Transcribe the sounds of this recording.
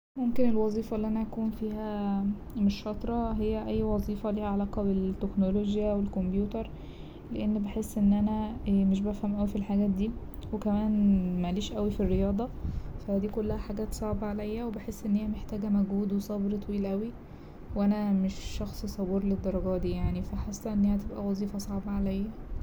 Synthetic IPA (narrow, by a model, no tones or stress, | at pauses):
momkenelwɑzˤiːfɑʔlːiʔænæʔækuːnfiːhæ | meʃːɑt̪ˤɾˤɑɦejːæʔæjːwɑzˤiːfɑliːhæʕalæːqɑbet̪ːeknoloɡjæwelkombjuːt̪ɑɾˤ | leʔenːbeħesːʔenːʔænæmeʃ̬bæfhæmʔæwifilħaɡæːt̪̚d̪iː | wekæmæːnmæliːʃʔæwifirːejɑːd̪ˤɑfæd̪iːkolːæhæħaɡæːt̪sˤɑʕbʕalæjːæwebeħesːʔenːhejːæmeħt̪æːɡæmæɡhuːd̪wesˤɑbɾt̪ˤɑwiːlʔæwi | wʔænæmeʃːɑxsˤsˤɑbuːɾled̪ːɑɾˤɑɡɑːd̪iːjaʕnifæħasːæʔenːæhæt̪ebʔæwɑzˤiːfɑsˤɑʕbɑʕalæjːæ